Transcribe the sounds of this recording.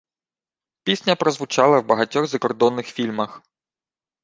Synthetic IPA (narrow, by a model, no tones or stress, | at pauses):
pʲisʲnʲɐpɾɔzʋʊt͡ʃɑlˠɐwbɐɦɐtʲɔɣzɐkɔrd̪ɔnːɪxfʲilʲmɐx